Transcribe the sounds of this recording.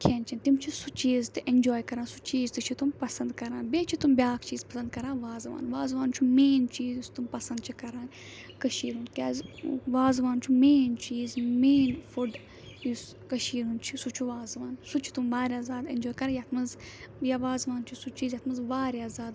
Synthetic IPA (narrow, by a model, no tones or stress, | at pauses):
kʰent͡ʃʰint̪imt͡ʃʰisut͡ʃiːzt̪ɨʔend͡ʒoːjkɐɾaːsut͡ʃiːzt̪it͡ʃʰit̪umpɐsɐnd̪kɐɾãːnbeːt͡ʃʰit̪umbʲaːkt͡ʃiːzpɐsɐ̃nd̪̚kɐɾãːʋaːzʋa̰ːnʋaːzʋaːnt͡ʃʰumeːnt͡ʃiːzust̪umpɐsɐnd̪t͡ʃʰikɐɾaːn | kɐʃiːɾũnkʲaːzʋaːzʋaːnt͡ʃʰumeːnt͡ʃiːzmeːnfuɖ | us | kɐʃiːɾunt͡ʃʰisut͡ʃʰuʋaːzʋaːnsut͡ʃʰi̥t̪umʋaːɾʲjaːzaːd̪end͡ʒoːjkɐɾãːjat̪ʰmɐz | jaʋaːzʋaːnt͡ʃʰisut͡ʃiːzjat̪ʰmɐzʋaːɾjaːzaːd̪